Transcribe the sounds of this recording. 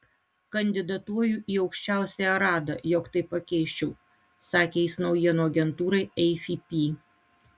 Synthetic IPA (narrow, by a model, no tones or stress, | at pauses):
kɐnʲd̪ʲɪd̪ɐt̪uɔjuːˑʔiːɒʊkʃʲt͡ʃʲæˑʊsʲɛjɛɾɑːd̪ɐ̰joːkt̪ɐɪpːɐkʲɛɪʃʲt͡ʃʲɛʊ | sɑːkʲeɪsnɒʊjiɛnoːɐɡʲɛnt̪uːɾɐɪɛɪfʲiːpʲiː